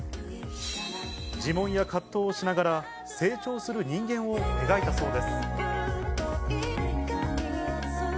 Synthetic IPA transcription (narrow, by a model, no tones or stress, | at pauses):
d͡ʑimõ̞ɰ̃jakʰat̪ːo̞ːɕinaɡaɾa | se̞ːt͡ɕo̞ːsɨɾɯ̟ɲ̟ĩŋɡẽ̞ɰ̃oe̞ɡait̪aso̞ːd̪e̞sɨ̥